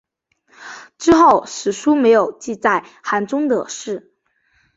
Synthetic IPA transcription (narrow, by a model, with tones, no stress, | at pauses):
ʈ͡ʂɻ̩˥xo˥˩ʊʂɻ̩˨˩ʂu˥me˧˥ɪjo˨˩ʊt͡ɕi˥˧t͡sa˥˩ɪ | xa˧˥nʈ͡ʂʊ˥ŋd̪ə̰˨˩ʂɻ̩˥˩